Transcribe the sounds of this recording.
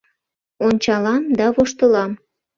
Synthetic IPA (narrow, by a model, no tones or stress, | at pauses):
onʲt͡ɕɑlɑmd̪ɑβoʃt̪əlɑm